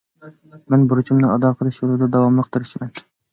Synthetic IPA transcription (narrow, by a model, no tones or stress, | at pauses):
mɛnbuɾut͡ʃʰumnɨɑd̪ɑqʰəlˠɨʃulˠɨd̪ɑd̪ɑwɑmlˠəq̚t̪ʰɨɾɪʃmɛn